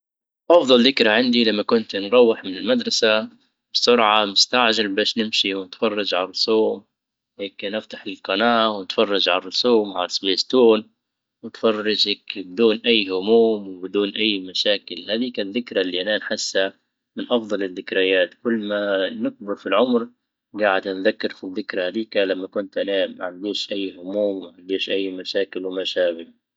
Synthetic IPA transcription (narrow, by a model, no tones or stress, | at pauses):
ʔɑfðˤɑlðɪkɾaʕɪnd̪ilamːakʊnt̪nɾˤɑwːɪħmɪnɪlmad̪ɾˤɑsa | bɪsʊɾʕamʊst̪aʕʒalbaːʃnɪmʃiwnɪt̪fɑrˤːɑd͡ʒʕallsˤoːm | weːknɪft̪aħɪlqɑnaːʔwnɪt̪fɑrˤːɑd͡ʒʕalalsˤoːmʕalasbeːst̪uːn | wɪt̪fɑrˤːɑd͡ʒakbɪd̪uːnʔajːhʊmuːmwɪbɪd̪uːnʔajːmaʃaːkɪlhad̪iːkaðːɪkɾalːiʔananħɪsːa | mɪnʔɑfd̪ˤɑlɪðːɪkɾɪjaːt̪kʊlːmanɪk̚bɪɾfilʕʊmɾ | ɡaːʕɪd̪anðakːɪɾfiðːɪkɾahad̪iːkalamːakʊnt̪ʔanaːmaʕand̪iːʃʔajːhʊmuːmwmaʕand̪iːʃʔajːmaʃaːkɪlwɪmaʃaːbɪl